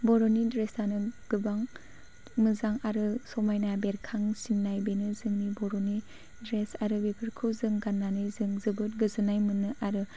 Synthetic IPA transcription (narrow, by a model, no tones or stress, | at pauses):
bɔɾonidɾesanɯɡ̥ɯbaŋ | mɯzaŋaɾɯsɔmajnabeɾkʰaŋsinːajbenɯzɯŋnibɔɾoni | dɾesaɾɯwebʰɯɾkʰɯwzɯŋɡanːanɯjzɯŋzɯbɯt̚ɡɯzɯnajmɯnːɯʔaɾɯ